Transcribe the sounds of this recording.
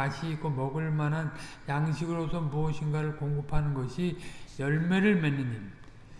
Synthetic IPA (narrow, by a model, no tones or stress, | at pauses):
aɕʰiːk͈omʌɡɯɭmanɦanjaŋɕʰiɡɯɾosʰʌmuʌɕʰinɡaɾɯɭkoŋɡɯpʰanɯnɡʌɕʰijʌɭmeɾɯɭmenːɯɲim